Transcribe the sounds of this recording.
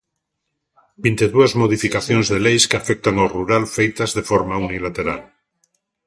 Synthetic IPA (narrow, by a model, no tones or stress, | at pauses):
bint̪eðuazmo̞ð̞ifikaθjonzðe̞lejskeafek̚t̪aŋawruɾalfejt̪azðe̞foɾmaunilat̪e̞ɾa̰l